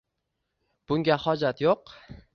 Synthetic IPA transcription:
b̥ʊŋɡʲahɒd͡ʒat̪joq

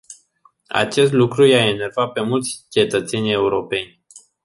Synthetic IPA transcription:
a̰t͡ʃe̞st̪lukɾujeaene̞rvat̪̚pe̞mult̪sʲt͡ʃe̞t̪ət̪se̞nʲe̞uɾo̞pe̞nʲ

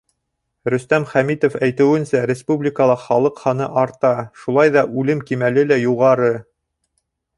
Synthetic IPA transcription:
ɾɵ̆st̪æmχæmit̪ofæjt̪ɘ̆wɘ̆nsæɾʲɪspublʲikəlˠɑχɑlˠɤqhɑnɤʔɑɾt̪ɑʃulˠɑjðɑʔʉlɘmkimælɘlæjuʁɑɾɤ

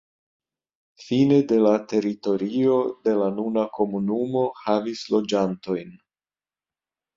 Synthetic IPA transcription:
fine̞de̞late̞ɾito̞ɾio̞de̞lanunako̞munumo̞havislo̞d͡ʒanto̞jn

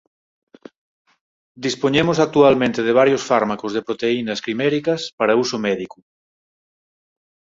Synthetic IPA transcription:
d̪ispoɲemosak̚t̪ualmẽnt̪eð̞eβ̞aɾjosfaɾmakozðepɾot̪einɐskɾimɛɾikɐspaɾausomɛðiku

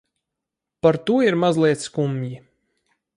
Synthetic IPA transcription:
paɾt̪uɔiɾmazlˠiɛt̪skumji

